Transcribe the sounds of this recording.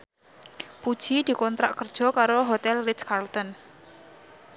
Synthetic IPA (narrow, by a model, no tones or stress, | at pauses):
pud̥ʒ̥id̪̥i̤kɔnt̪ɾa̰ʔkərd̥ʒ̥ɔ̤kaɾoɦot̪ɛlrɪtskarlt̪ɔn